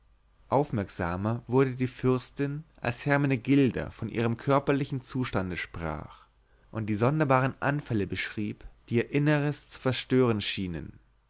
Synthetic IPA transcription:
ʔaʊfmɛɐkz̥a̰ːmɐvʊɐdədiːfʏɐstɪnʔa̰lshɛɐmanəɡɪldɐ̰fɔnʔḭːʁəmkʰœɐpɐlɪçn̩t͡suːʃtandəʃpʁ̥a̰ːχ | ʔʊnt̚d̥iːzɔndɐbaːʁənʔa̰nfɛləbəʃʁ̥iːpd̥iːiːɐʔɪnəʁəst͡su̥fɛɐʃtøːʁ̞ənʃiːnən

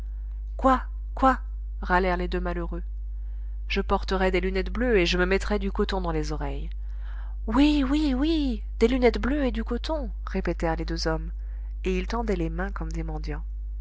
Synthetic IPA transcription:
kwa | kwa | ʁalɛʁled̪ømaløʁø | ʒ̥əpɔʁt̪əʁɛd̪elynɛt̪bløeʒəməmɛt̪χɛd̪ykɔt̪ɔ̃d̪ɑ̃lezɔʁɛj | wiwiwi | d̪elynɛt̪bløed̪ykɔt̪ɔ̃ | ʁepet̪ɛʁled̪øzɔm | eilt̪ɑ̃d̪ɛlemɛ̃kɔmd̪emɑ̃d̪jɑ̃

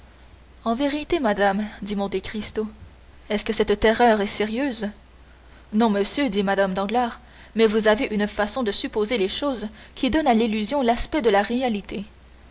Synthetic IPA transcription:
ɑ̃veʁit̪emad̪amd̪imɔ̃t̪ekʁist̪o | ɛskəsɛt̪t̪eʁœʁɛseʁjøːz | nɔ̃məsjød̪imad̪amd̪ɑ̃ɡlaːʁ | mɛvuzaveʔynfasɔ̃d̪əsypozeleʃoz | kʲid̪ɔnalilyzjɔ̃laspɛd̪əlaʁealit̪e

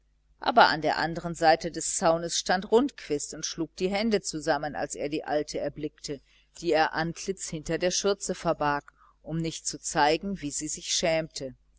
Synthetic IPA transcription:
ʔa̰ːbɐʔa̰ndeːɐʔandəʁ̞ənzaɪtədɛst͡saʊnəsʃtantʁʊntkʰv̥ɪstʊntʃluːk̚d̥iːɦɛndət͡suzaməna̰lsʔḛːɐdiːʔa̰ltʰəɛɐblɪktə | d̥iːeːɐʔankʰlɪt͡shɪntɐdeːɐʃʏɐt͡səfɛɐbaːk | ʔʊmnɪçtt͡sut͡saɪɡŋ̩viːziːzɪçʃɛːmtʰə

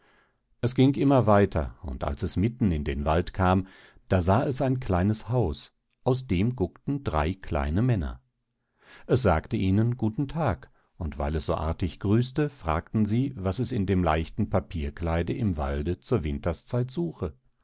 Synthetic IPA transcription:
ʔɛsɡ̥ɪŋʔɪmɐvaɪtʰɐ̰ʊ̰nta̰lsɛsmɪtn̩ɪndeːnvaltkʰaːm | d̥aːzaːɛsaɪnkʰl̥aɪnəshaʊs | ʔaʊsd̥eːmɡʊktn̩dʁa̰ɪkʰl̥a̰ɪnəmɛnɐ̰ | ʔɛs̬z̥aːktəʔiːnənɡuːtn̩tʰaːk | ʊntv̥a̰ɪlɛsz̥o̰ːʔa̰ɐtɪçɡ̥ʁyːstəfʁ̥a̰ːktn̩ziːvasɛsɪndeːmla̰ɪçtn̩pʰapʰiːɐklaɪdəʔɪmva̰ldət͡suːɐvɪntɐst͡saɪtz̥uːxə

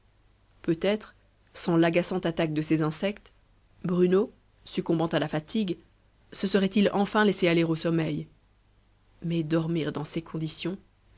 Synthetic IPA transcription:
pøt̪ɛt̪χ | sɑ̃laɡasɑ̃t̪at̪ak̚d̪əsezɛ̃sɛkt̪ | bʁyno | sykɔ̃bɑ̃t̪alafat̪ʰiɡ | səsəʁɛt̪ilɑ̃fɛ̃lɛsealeʁosɔmɛj | mɛd̪ɔʁmiʁd̪ɑ̃sekʰɔ̃d̪isjɔ̃

